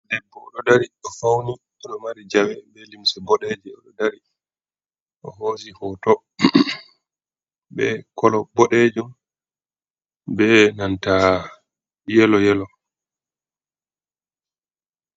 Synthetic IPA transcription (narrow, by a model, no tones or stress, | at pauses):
dɛbːɔɗɔdaɾiɗɔfawni | ɔɗɔmaɾid͡ʒawɛbɛlimsɛbɔɗɛd͡ʒɛɔɗɔdaɾi | ʔɔɦoːsihɔːtɔ | bɛ̰kɔlɔbɔɗɛd͡ʒum | bɛnanta | jɛlɔjɛlɔ